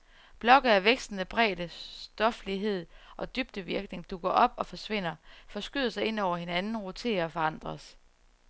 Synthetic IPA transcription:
b̥lɒ̽ɡ̥ð̩ˠæʋeɡ̥sd̥n̩əb̥ʁɛ̰ːd̥əsd̥ɒ̽fliɦe̝ð̰ˠʔɒ̽d̥yb̥̚d̥əʋiɐɡ̥ne̝ŋd̥uɡ̥ɐʔɒ̽b̥ɒ̽fɒ̽sʋe̝n̰ɐfɒ̽sɡ̥yðˠɐsɑ̈ɪe̝n̰ɒʊ̰ɐɦe̝nænn̩ʁo̝t͡sʰe̝̰ɐɒfɒ̽ɑ̈n̰d̥ʁɐs

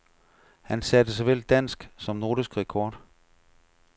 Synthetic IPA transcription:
hænsæd̥əs̬ɒ̽ʋel̰d̥æn̰sɡ̥sɒ̽mno̝ːd̥isɡ̥ʁɛkʰɒːd̥

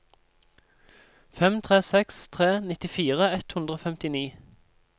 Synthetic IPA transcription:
fɛmt̪ʰʁeːsɛkst̪ʰʁeːnɪt̪ɪfiːʁəɛt̪hʉnd̪ʁəoːfɛmt̪ɪniː

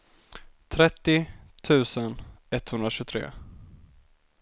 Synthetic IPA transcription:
t̪ʰɾɛt̪ːɪt̪ʰʉ̟ːsənɛt̪ːhɵnd̪ɾaɕɵt̪ʰɾḛː

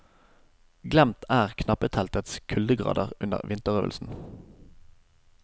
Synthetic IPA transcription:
ɡlɛmt̪ʰæːʁkʰnɑpət̪ʰɛlt̪ət̪skʰʉld̪əɡʁɑ̰ːd̪əʁʉnə̰ʁʋɪnt̪əʁøːʋəlsn̩

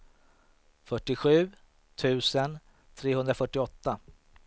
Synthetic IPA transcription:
fœʈːɪɧʉ̟ː | t̪ʰʉ̟ːsən | t̪ʰɾeːɦɵnd̪ɾafœʈːɪɔt̪ːa

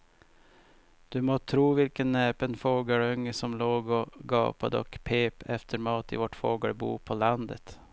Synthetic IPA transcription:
d̪̥ʉmot̪ʰɾuːvɪlkənːeːpənfoːɡəɭœŋːəsɔmloːɡɔɡɑ̰ːpʰad̪əɔ̰kpʰeːpʰɛft̪ʰəɾmɑːt̪ɪ̰vɔʈfoːɡəɭbṵːpʰɔland̪ət̪

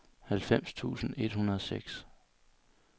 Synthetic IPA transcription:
hælfem̰st͡sʰṵːsn̩e̝d̥hunɐðˠɒ̽seɡ̥s

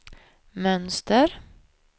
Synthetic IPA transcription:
mœnst̪əɾ

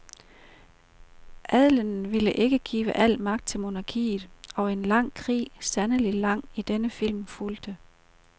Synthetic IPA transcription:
ʔæð̰ˠlənn̩ʋiləʔe̝ɡ̥əɡ̥ḭːʋəʔæl̰mɑ̈ɡ̥d̥̚t͡sʰe̝lmo̝nɑ̈kʰḭːð̩ˠɒ̽e̝nlɑ̈ŋ̰kʰʁḭːsænəlilɑ̈ŋ̰id̥enəfil̰mfuld̥ə

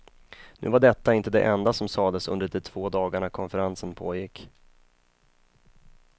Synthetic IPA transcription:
nʉ̟ːvaɖɛt̪ːaɪnt̪əd̪ɛ̰ʔɛnd̪asɔmsɑːd̪əsɵ̰nd̪əɖɛʈʰv̥oːd̪ɑːɡaɳakʰɔnfəɾansənpʰoːjɪkː

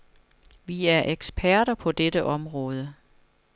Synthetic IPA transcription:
ʋiæɐʔeɡ̥sb̥ʰæɐ̰ɾɐpʰɒ̽d̥edəʔɒ̽mʁɔ̽ːð̞ˠə

